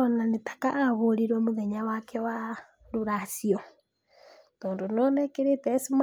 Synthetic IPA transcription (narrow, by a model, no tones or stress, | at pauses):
onanetḁkaʔaβoɾiɾwemuðeɲawakʰɛwa | ɾuɾasio | t̪oːndononɛkeɾetɛsim